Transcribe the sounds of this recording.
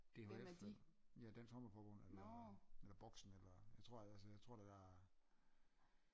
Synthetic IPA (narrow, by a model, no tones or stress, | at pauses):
d̥e̝hed̥jæd̥ænsɒməfɒːb̥ɔ̽n̰elɐelɐb̥ɒɡ̥sn̩elɐjaɪt͡sʰʁo̝ɐ̰æsəjäɪt͡sʰʁo̝ɐ̰d̥æd̥æ